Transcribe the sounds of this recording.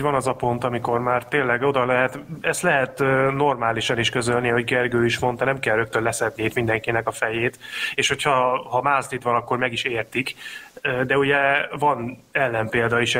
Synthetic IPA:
vɒnɒzɒpo̞nt̪ɒmiko̞rmaːrt̪eːnlːɛɡo̞d̪ɒlɛɦɛt̪ɛst̪lɛɦɛt̪ːno̞rmaːliʃɒniʃkø̞zølniho̞ɟɡɛrɡøːiʃmo̞nt̪ɒnɛmkɛlrø̞k̚t̪ønlɛsɛd̪niit̪mind̪ɛŋkinɛkɒfɛjeːt̪eːʃho̞chɒhɒmaːlst̪it̪ʋɒnɒkːo̞rmɛɡiʃeːrt̪ikː | d̪ɛuɟɛvɒnɛlːɛmpeːld̪ɒiʃ

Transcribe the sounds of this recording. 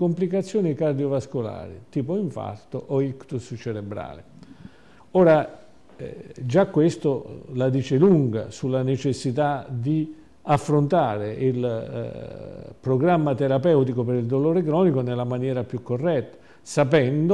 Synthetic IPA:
komplikat̪sːjɔːnikard̪ijovaskola̰ːɾḭt̪iːpoiɱfa̰rt̪oʔɔikt̪ust͡ʃɛɾebɾa̰ːlɪ̰ | ɔːɾa | d͡ʒakːwest̪olad̪iːt͡ʃɪluŋɡa̰sulːanet͡ʃesːit̪ad̪i | afːɾont̪aːɾeil | pɾoɡɾamːat̪eɾapɛwt̪ikopeɾild̪oloːɾekɾɔːnikonelːamanjɛːɾapjukːorːɛt̪ːḁ | sapɛnd̪o

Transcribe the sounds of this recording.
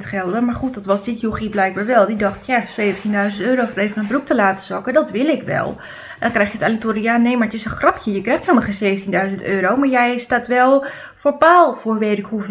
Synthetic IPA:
tχɛlˠdəmaɹxut̚dɔtʋɔsdɪtjoxiblɛjk̚baːɹʋɛlˠdidɔxtʰjaseːvəntindœɥzəntøːɾowfəreːvənənbruk̚təlaːtə̥zɔkədɔtʋɪlˠɪkʋɛ̰lˠ | dɔnkrɛjxjətalitoːɾijaneːmarətɪsəxrɔpʰjəjəkrɛjxthɪlˠməχəseːvəntindœɥzəntøːɾowmaɹjɛjstatʋɛlˠ | foɹpaːlˠfoɹʋeːtɪkhu

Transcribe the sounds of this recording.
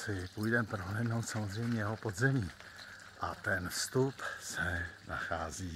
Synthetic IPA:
sɪpujdɛmpɾoɦlɛːdnowt̪samozr̝ɛjmɲɛjɛɦopo̞d̪zɛmiː | ʔat̪ɛnfst̪upsɛna̰xaːziː

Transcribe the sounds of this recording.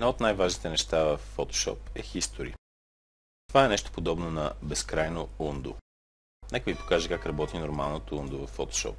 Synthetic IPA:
ɛd̪nɔot̪najvaʒnit̪ɛnɛʃt̪avəfːot̪o̥ʃɔ̰p̚ɛxist̪oɾḭ | t̪ovaɛnɛʃt̪o̥pod̪ɔbnonɐbɛskɾajnound̪o̰ | nɛkəvipo̥kaʒɛkakɾɐbɔt̪inoɾma̰lˠnot̪ound̪ovɐfːot̪o̥ʃɔ̰p̚

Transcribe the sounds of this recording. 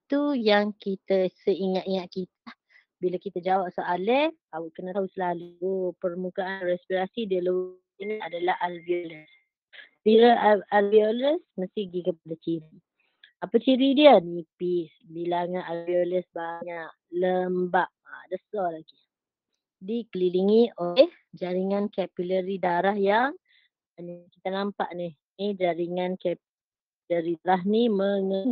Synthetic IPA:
t̪ujaŋkit̪əsəiŋaʔ̪iŋaʔ̪̚kit̪ | bilakit̪ad͡ʒawap̚soʔalɛawəʔkənaʔt̪aɦusəlaluopərmukaʔːnrɛspiɾasidiələw | iniadalaɦalbioləs | biləʔalbioləsməst̪ɪɡikəp̚adat͡ʃiɾi | apət͡ʃiɾidiənipisbilaŋaʔalbioləsbaɲaʔləmbaʔ̚adəsɔlaɡi | dikəliliŋioh | d͡ʒaɾiŋankɛpiləɾidaɾahjaŋ | nikit̪anampa̰ʔnih | nid͡ʒaɾiŋankɛp | ləɾiɾaɦniməŋə

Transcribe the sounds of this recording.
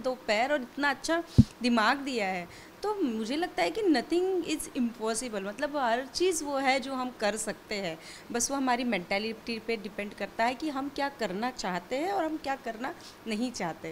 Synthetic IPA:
d̪oːpɛːɾɔːɾɪt̪naɐtːʃʰad̪ɪmaːɡd̪ijaɦɛː | t̪oːmʊd͡ʒʱelɐɡ̚t̪aɦɛkinɐt̪ʰɪ̃ŋɡɪzɪ̃mpɔːsɪbəlmɐt̪ləbɦɐɾt͡ʃiːzʋoɦɛd͡ʒoːɦɐmkɐɾsɐk̚t̪eɦɛ̃ː | bɐsʋoɦɐmaːɾimɛ̃ɳʈɛːlɪʈipeɖɪpɛ̃ɳɖkɐɾt̪aɦɛkiɦɐmkjaːkɐɾnat͡ʃaːɦt̪eɦɛ̃ɔːɾɦɐmkjaːkɐɾna | nɐɦĩt͡ʃaːɦt̪eɦɛ̃

